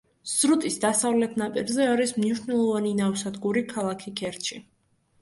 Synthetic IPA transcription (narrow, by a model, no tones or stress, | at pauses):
sɾut̪ʼisd̪asavlɛt̪ʰnapʼiɾzɛaɾismniʃʃnɛlˠɔvaninawsad̪ɡuɾikʰalˠakʰikʰɛɾt̪t͡ʃʰi